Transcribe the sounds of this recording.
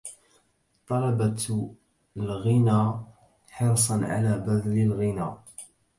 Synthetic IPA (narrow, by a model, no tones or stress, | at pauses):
t̪ˤɑlɑbɑ | lɣɪnaː | ħɑɾˤsˤɑnʕa̰laːbæd̪lɪlɣɪnaː